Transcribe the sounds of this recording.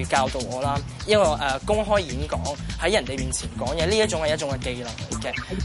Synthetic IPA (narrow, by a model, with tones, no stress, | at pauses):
kaː˧wt̪o˨˧wɔː˨˧˦laː˥ | jɐ˥kɔː˧ʔɛː˨˩kʊ˥ŋɦɔː˥jjiː˨˥nkɔ̰ː˨˥ŋhɐ˨˥jːɐ˨˩nt̪e˨jmiː˨nt͡sʰiː˨˩nkɔː˨˥ŋjɛː˨˧liː˥jɐ˥t̚t͡ʃʊ˨˥ŋhɐ˨jɐ˥t̚t͡ʃʊ˨˥ŋkɛ˧ke˧jlɐ˨˩k̚lɐ˨˩kɛ˧